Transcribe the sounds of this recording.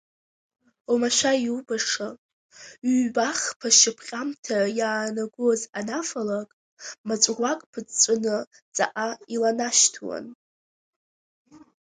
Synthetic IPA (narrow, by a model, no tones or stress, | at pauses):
omaʃʷajiubaʂa | ɥbaχpʰaʃɪpʰχʲʼamtʰajaːnaɡʷozanafalakʼ | mat͡ʃʷʼrʷakʼpʰɨt͡st͡sʷʼʊnɨ | t͡sʼa̰ʔailanaʃtʰwa̰n